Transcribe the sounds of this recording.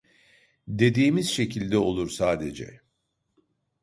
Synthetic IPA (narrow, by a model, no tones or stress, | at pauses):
d̪e̞d̪iːmiz̥ʃe̞cʰilʲd̪ɛo̞lˠuɾsaːd̪e̞d͡ʒɛ̰